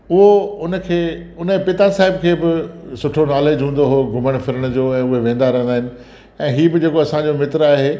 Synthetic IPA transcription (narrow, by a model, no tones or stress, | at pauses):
ʊɦoʊnə̆kʰeː | ʊnəpɪt̪asaːɪbkʰeːbɪsʊʈʰonaːleːd͡ʑɦũːn̆d̪oɦoːɡʱʊməɽ̃fɪɾəɽ̃d͡ʑoːɛ̃ːʊɦeʋẽːn̆d̪aɾɐ̃ɦə̃nd̪aːɦɪnɪ̆ | ɛ̃ːɦiːbɪd͡ʑeːkoɐsãd͡ʑomɪt̪ɾaːɦeː